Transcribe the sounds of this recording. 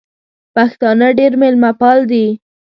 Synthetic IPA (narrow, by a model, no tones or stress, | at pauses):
paxt̪ɑnəɖeɾmelmapɑld̪i